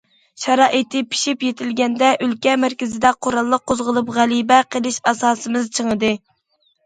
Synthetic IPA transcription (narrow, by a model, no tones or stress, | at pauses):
ʃɛɾɑːʔit̪ʰɪpʰi̥ʃipjet̪ʰɪlɡʲɛnd̪ɛʔylkʲɛmæɾkʲɪzɪd̪ɛqʰoɾɑlˠːəq̚ʰːozʁəlˠupʁælibɛqʰəlˠɪʃɑsɑːsɨmɪzt͡ʃʰəŋəd̪ɨ